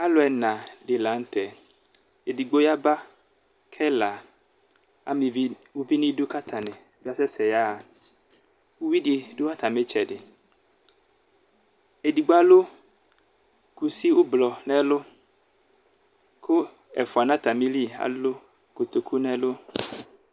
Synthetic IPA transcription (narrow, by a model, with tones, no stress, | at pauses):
a˦lʊ˨˦ɛ˨nã˨ɖɪ˨la˨˦n̩˦t̪ɛ˨ | e˨di˨ɡ͡bo˦ja˦ba˦ | kʰɛ˦la˨ | a̰˦mɪ̃˨vi˦ | wʊ˦vi˦nĩ˦dʊ˦ka˦t̪ʰa˨nɛ̃˨bɪ˦a˦sɛ˦sɛ˨ja˦˨ | wʊ˦wi˦di˨dʊ˦a˦t̪a˨me˦t͡ʃɛ˨dɪ˨ | e˨di˨ɡ͡ba˦lʊ˦ | ku˦si˦wʊ˦blɔ˨nɛ̃˦lʊ˦ | kʰʊ˦ | ɛ̰˨fʊ˨a˨nã˦t̪a˨mĩ˦li˦a̰˨lo˦ | ko˨t̪o˨kʰu˦nɛ̃˦lʊ˦